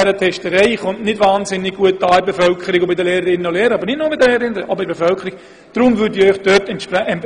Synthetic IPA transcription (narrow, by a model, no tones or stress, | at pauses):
ɛɾətʰɛʃtəɾɛɪχʊntnɪdʋaːnzɪnːɪɡ̚ɡ̥uət̚ːɑːɪbefœlkʰəɾiɡʊbɪdəleːɾəɾɪnənoleːɾəɑbəɾnɪtnoːbɪdəleːɾəɪnʔɔbəɪbefœlkʰəɾiɡ̥ | d̥ɾʊmʋyːɾdiːœʏχd̥øtɛn